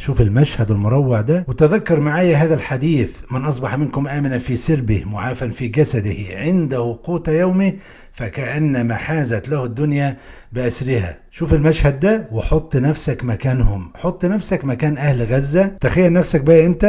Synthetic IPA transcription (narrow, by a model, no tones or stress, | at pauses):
ʃuːfɪlmæʃhæd̪wɪlmʊɾˤɑwːɑʕd̪æwɪt̪ɪðækːɑɾˤmaʕaːjæɦaːðælħad̪iːθmɪnʔɑs̬ˤbɑħmɪnkʊmʔæːmɪnænfiːsɪɾbɪhmʊʕaːfænfiːɡæsæd̪ɪhʕɪnd̪æhʊquːt̪æjawmi | fækæʔænːæmæħaːzæt̪læhɪd̪ːʊnjæ | bɪʔæsɾɪhæ̰ | ʃuːfɪlmæʃhæd̪̚ːæweħot̪ˤːnæfsækmækæːnhʊmħot̪ˤːnæfsækmækæːnʔæhlɣæzːæt̪æxæjːæɾnæfsæk̚bæːʔɪnt̪æ